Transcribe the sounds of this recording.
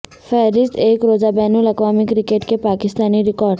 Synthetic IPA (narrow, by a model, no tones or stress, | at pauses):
fʰɛːɾɪst̪eːkɾoːzabɛːnulɐkʋaːmɪkɾɪkeːʈkepaːkɪst̪aːniɾɪkɔːɾɖ